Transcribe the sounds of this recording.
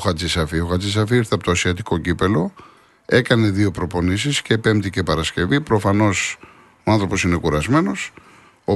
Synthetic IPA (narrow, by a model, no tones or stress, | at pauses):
xɐt͡sisɐfioxɐt͡sis̬ɐfiiɾθɐpot̪oɐsiɐt̪iko̞cipe̞lo̞ | e̞kɐne̞ðio̞pɾo̞po̞nisiscepempt̪ice̞pɐɾɐsce̞vipɾo̞fɐno̞s | oɐnθɾo̞po̞sine̞kuɾɐzme̞no̞s | o